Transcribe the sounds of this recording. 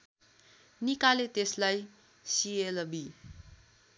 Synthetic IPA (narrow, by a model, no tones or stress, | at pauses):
nikalet̪eslaj | sielʌbi